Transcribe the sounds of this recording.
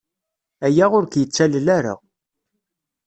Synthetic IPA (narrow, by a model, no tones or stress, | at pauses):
æjæʁʊɾkjət͡sːællæɾa̰